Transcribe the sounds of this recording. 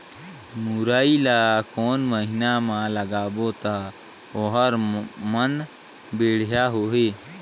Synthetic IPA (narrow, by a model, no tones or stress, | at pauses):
mʊɾaːilaːkoːnməɦɪnamãləɡaːbot̪a | oɦəɾmən | beːɽ̤jaɦoːɦeː